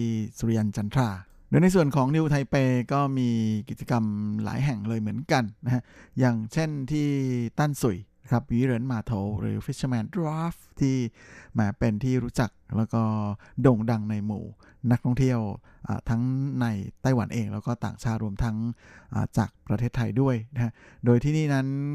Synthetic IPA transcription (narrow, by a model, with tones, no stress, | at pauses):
suː˧ɾi˧ʔa˧nt͡ɕa˧nt̪ʰɾaː˧˩ | doː˧jna˧jsu˨˩ənkʰɔː˨˩˦ŋni˧wt̪ʰa˧jpeː˧kɔː˥˩miː˧ki˨˩t̪̚t͡ɕa˧ka˧mla̰ː˩˦jɦɛ˨˩ŋlɤː˧jmɯ˩˦ənka˧nːa˦˥kʰa˦˥jaː˨˩ŋt͡ɕʰe˥˩nt̪ʰiː˥˩t̪a˥˩nsu˨˩jna˦˥kʰɾa˦˥p̚wiː˦˥ɾeː˦˥nmaː˧t̪ʰo˧˩wɾɯ̰ː˩˦fʰi˦˥t͡ɕʰmɛː˧˥ndɾaː˦˥ft̪ʰiː˥˩mɛː˨˦˥pe˧nt̪ʰiː˥˩ɾuː˦˥t͡ɕa˨˩k̚lɛː˦˥wkɔː˥˩doː˧ŋda˧ŋna˧jmṵː˨˩˦ | na˦˥k̚t̪ʰɔ˥˩ŋt̪ʰi˥˩əwʔa̰ː˨˩t̪ʰa˦˥ŋna˧jt̪a˥˩jwa˩˦nʔeː˧ŋlɛː˦˥wkɔː˥˩t̪a̰ː˨˩ŋt͡ɕʰaː˥˩t̪̚ɾu˧əmt̪ʰa˦˥ŋʔa̰ː˨˩t͡ɕa̰ː˨˩k̚pɾa˧t̪ʰeː˥˩t̪ʰːa˧jdu˥˩əjna˦˥a˦˥ʔdoː˧jt̪ʰiː˥˩niː˥˩na˦˥n